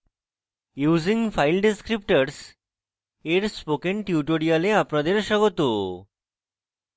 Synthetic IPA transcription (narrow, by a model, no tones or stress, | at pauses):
juːziŋfajlɖeskɾip̚ʈaɾs | eɾspokenʈiuʈoɽialeapnad̪eɾʃɔɡot̪o